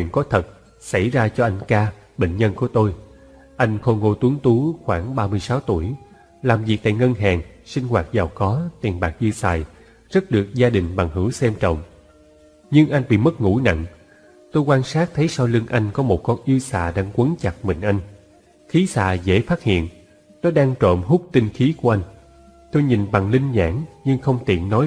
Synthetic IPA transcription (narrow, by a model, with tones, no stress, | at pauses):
wḭ˧˨ənkɔ˨˦t̪ʰə˨˩t̚ | sa˧˩jzaː˧t͡ɕɔ˧ʔa˧jŋ̟kaː˧ | ɓḛ˧˨ŋ̟ɲə˧nku˧˩ət̪o˧j | ʔa˧jŋ̟xo˧ŋo˧t̪u˨˦əŋt̪u˨˦xwaː˧˩ŋɓaː˧mɨ˧əjsaː˨˦wt̪u˧˩əj | laː˨˩mvi˨˩k̚t̪a̰ː˧˨jŋə˧ŋɦaː˨˩ŋsï˧ŋ̟hwaː˨˩t̚zaː˨˩wkɔ˨˦t̪i˨˩ənɓaː˨˩k̚ʔɨ˧saː˨˩j | zə˦˥t̚ɗɨ˨˩ək̚zaː˧ɗï˨˩ŋ̟ɓa˨˩ŋɦɨ˧˩wsɛ˧mt͡ɕə̰˧˨wŋ͡m | ɲɨ˧ŋʔa˧jŋ̟ɓḭ˧˨mə˦˥t̚ŋṵ˧˩na̰˧˨ŋ | t̪o˧jkwaː˧nsaː˦˥k̚t̪ʰə˨˦jsa˧wlɨ˧ŋʔa˧jŋ̟kɔ˨˦mo˨˩t̚kɔ˧nʔi˧əwsa̰ː˧˨ɗaː˧ŋkwə˨˦nt͡ɕa˨˩t̚mï˨˩ŋ̟ʔa˧jŋ̟ | xi˨˦sa̰ː˧˨zḛ˧˥faː˦˥t̚hḭ˧˨ən | nɔ˨˦ɗaː˧ŋt͡ɕə̰˧˨mɦʊ˦˥k͡p̚t̪i˧ŋxi˨˦ku˧˩ʔa˧jŋ̟ | t̪o˧jɲi˨˩nɓa˨˩ŋli˧ŋ̟ɲa̰ː˧˩ŋɲɨ˧ŋxə˧wŋ͡mt̪ḭ˧˨ənnɔ˨˦